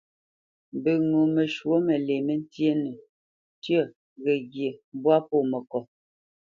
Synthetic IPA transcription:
bə˨ŋu˨mə˨ʃwo˦me˨le˨me˦n̩˦tje˦nə˨ | tjə˦˨ | ɣə˨ɡje˨˦bwa˦po˦˨mə˨kɔ˨

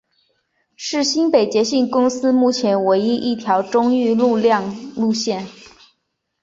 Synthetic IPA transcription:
ʂɻ̩˥˩ɕi˥npe˨˩ɪt͡ɕjɛ˧˥ɕi˥˩ŋkʊ˥ŋsɹ̩˥mu˥˩t͡ɕʰjɛ˧˥nwe˧˥ɪi˥ʔi˥˩t̪ʰjɑ˧˥ʊʈ͡ʂʊ˥ŋy˥˧lu˥˧ljɑ˥˧ŋlu˥˧ɕjɛ˥˩n

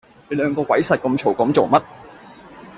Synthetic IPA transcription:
le˨˧˥lœː˨˧ŋkɔː˧kwɐ˨˥jsɐ˨t̚kɐ˧mt͡ʃʰo˨˩wkɐ˨˥mt͡so˨wmɐ˥t̚

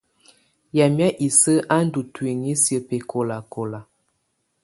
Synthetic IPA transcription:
ja˨mja˦ʔi˨sə˦ʔa˦n̩˦du˨twe˨ŋi˦sjə˨pe˨kʰo˨la˨ko˨la˨

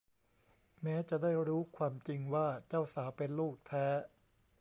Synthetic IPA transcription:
mɛː˦˥t͡ɕa˨˩daː˥˩jɾuː˦˥kʰwaː˧mt͡ɕi˧ŋwaː˥˩t͡ɕa˥˩wsaː˩˦pe˧nluː˥˩k̚t̪ʰɛː˦˥

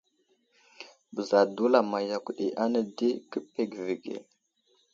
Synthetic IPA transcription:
bə˨za˨du˦la˨ma˨ja˨kʷɗi˨ʔa˦nə˦di˦kə˦pe˨ɡvi˨ɡḛ˨

